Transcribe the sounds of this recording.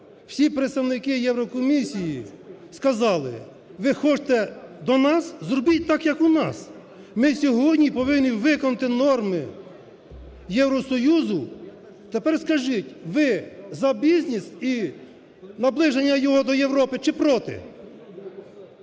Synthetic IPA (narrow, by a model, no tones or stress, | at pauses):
w̥sʲipɾet̪st̪ɐwnɪkɪjɛwɾɔkɔmʲisʲijiskɐzɑlˠɪ̰ | ʋɪxɔt͡ʃt̪ɛd̪ɔnɑszɾɔbɪt̚ʲt̪ɑkjɐkunɑ̰s | mɪsʲɔɦɔdʲnʲipɔʋɪnːʲiʋɪkɔnʊt̪ɪnɔrmɪ | jɛwɾɔsɔjuzʊ | t̪epɛrskɐʒɪtʲʋɪzɐbʲizʲnʲisi | nɐblˠɪʒenʲːɐjɔɦɔd̪ɔjewɾɔpɪt͡ʃɪpɾɔt̪ɪ̰